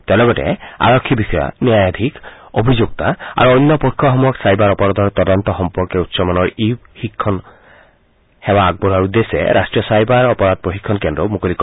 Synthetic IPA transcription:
t̪ɛlɔɡɔtɛ̰a̰ɹɔkʰːibisɔja̰niajad̪ʱikobʱizuk̚t̪aa̰ɹuɔjnːɔpɔikʰːɔxɔmujɔksajbaɹɔpɔɹad̪ɔɹt̪ɔd̪ɔnt̪ɔxɔmpɔɹkeut̪sɔmanɔɹihikʰːɔn | hɛwaːɡ̚bɔɾaɹud̪esɛ̰ɾʔa̰stɹijɔsajbaɹɔpɔɹad̪̚poɦikʰːɔnkendɾɔmukolikɔ

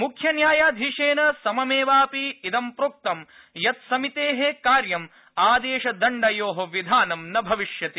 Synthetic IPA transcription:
mukʰjɐnjaːjaːd̪ʱiʂeːnɐsɐmɐmeːʋaːpiid̪ɐmpɾoːk̚t̪ɐm | jɐt̪sɐmit̪eːɦekaːɾjɐm | aːd̪eːʃɐd̪ɐɳɖɐjoːɦɐʋid̪ʱaːnɐmnɐbʱɐʋiʃjɐt̪i

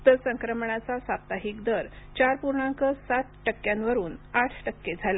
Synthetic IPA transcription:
t̪əsəŋkɾəmɳ̃at͡sasap̚t̪aɦiːkd̪əɾt͡ɕaɾpuɾɳãŋkəsat̪ʈəkːjãnʋəɾuːnaʈʰʈəkːed͡zʱala

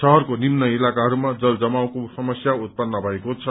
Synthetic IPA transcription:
sʌɦʌrkonimnʌilakaɦʌɾumad͡zʌld͡zʌmaw̃kosʌmʌsjaut̪̚pʌnːʌbʱʌekot͡sʰʌ

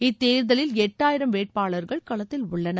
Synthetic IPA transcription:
ɪt̪ːeːɾðɐlɪlɛʈːaːjɪɾɐmʋeːʈ̚paːɭɐɾɣɐɭkɐɭɐt̪ːɪlʊɭːɐnɐ

